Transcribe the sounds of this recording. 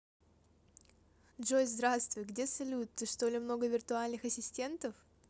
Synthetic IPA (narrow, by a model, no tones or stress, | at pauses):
dʐojzd̪ɾast̪vʊjɡdʲesɐlʲut̪ːɨʂt̪o̞lʲɪmno̞ɡəvʲɪrt̪ʊalʲnɨxɐsʲɪsʲtʲe̞nt̪əf